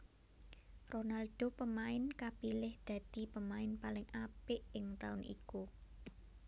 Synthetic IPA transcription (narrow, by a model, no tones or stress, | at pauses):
ronald̪̥opəmaɪnkapilɪhd̪̥ä̤d̪̥i̤pəmaɪnpalɪŋapɪʔɪŋt̪aʊnʔḭku